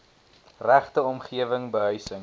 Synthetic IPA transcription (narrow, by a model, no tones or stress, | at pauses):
ræχtəɔmχiəvəŋbəɦœɥsəŋ